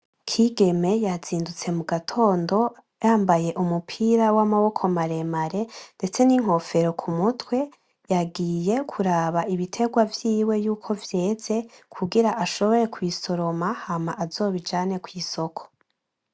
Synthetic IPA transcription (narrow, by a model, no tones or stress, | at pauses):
kʰiːɡe̞me̞jaz̥iːndut͡se̞muɡatʰo̞ːndo̞ | jaːmbaje̞ʔumupʰiɾawamaβo̞kʰo̞maɾe̞maɾe̞nde̞t͡se̞niŋ̥ho̞fe̞ɾo̞kʰumutwe̞ | jaɡiːje̞kʰuɾaːβaiβitʰe̞ɡwavjiːwe̞juːkʰo̞vje̞ːze̞kʰuɡiɾaʔaʃo̞βo̞ɾe̞kwiːso̞ɾo̞mahamaʔazo̞ːβid͡ʒaːne̞kwiːso̞kʰo̥